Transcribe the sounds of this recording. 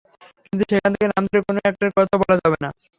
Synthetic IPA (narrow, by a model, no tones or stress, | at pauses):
kint̪uʃekʰant̪ʰekenamd̪oɾekonoɛk̚ʈaɾkɔt̪ʰabɔlad͡ʑabena